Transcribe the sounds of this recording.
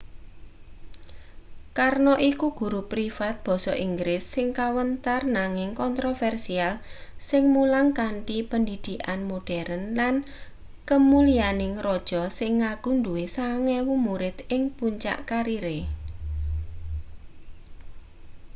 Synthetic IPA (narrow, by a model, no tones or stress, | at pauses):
karnoʔikuɡ̥ṳɾupɾifat̪̚b̥ɔ̤sɔʔiŋɡɾɪsːɪŋkawənt̪arnaŋɪŋkɔnt̪ɾofɛrsialsɪŋmulaŋkaɳʈipəndid̪̥i̤ʔanmoɖ̥ɛɾənlan | kəmulianɪŋrɔd̥ʒ̥ɔsɪŋːaɡ̥uɳduwesaŋɛwumuɾɪt̪ɪŋpuɲt͡ʃa̰ʔkaɾiɾe